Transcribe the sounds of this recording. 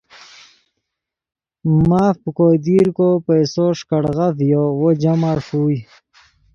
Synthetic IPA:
maːfpəkod̪iɾkopajsoʂkaɽɣat̪jowod͡ʑamaɾʂuːj

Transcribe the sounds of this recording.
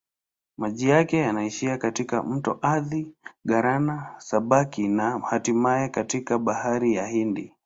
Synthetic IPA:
maʄijakɛjanaiʃiakatika̰m̩tɔ̰ʔaðiɠaɾanasaɓakinahatimajɛkatikaɓahaɾijahindi

